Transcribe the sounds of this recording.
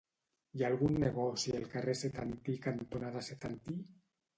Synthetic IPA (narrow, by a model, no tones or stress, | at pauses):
jalɣunːeɣosielkareset̪ant̪ikant̪onað̞aset̪ant̪i